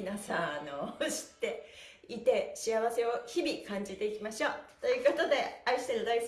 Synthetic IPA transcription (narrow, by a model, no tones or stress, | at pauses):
nasãnoɕi̥t̪ːeit̪e̞ɕiaβ̞ase̞o̞çibʲikãɲ̟d͡ʑit̪e̞ikʲimaɕo̞ːt̪o̞jɯ̟ːko̞t̪o̞d̪e̞aiɕi̥t̪eɾɯd̪ai